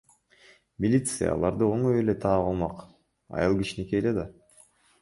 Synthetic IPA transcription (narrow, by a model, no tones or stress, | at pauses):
mʲilʲit̪sɨja̰ɑ̰lˠɑɾd̪ɯo̞ŋoje̞le̞t̪ʰɑːʁɑlˠmɑq | ɑ̰jɑlˠkit͡ʃineke̞ːle̞d̪ɑ